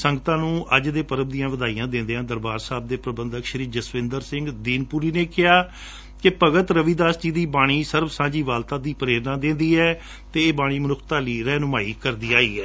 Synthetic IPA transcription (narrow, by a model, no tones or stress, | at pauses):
səŋɡət̪ãːnũːʔəd͡ʒd̪eːpəɾəb̚d̪ijãːʋəd̪aːiːjãːd̪ẽːnd̪eːãːd̪əɾbaːɾsaːb̚d̪eːpɾəbə̃nd̪əkʃəɾiːd͡ʒəsʋɪ̃nd̪əɾsɪ̃ŋɡd̪iːnpuːɾiːneːkɪɦaː | kepəɡət̪ɾəʋiːd̪aːsd͡ʒiːd̪iːbaːɽ̃iːsəɾbsãːd͡ʒiːʋaːlt̪ãːd̪iːpəɾeːɾnãːd̪ẽːnd̪iːɛː | t̪eːeːbaːɽ̃iːmənʊkʰt̪aːliːɾɛːnʊmaːḭːkəɾd̪iːaːiːɦɛː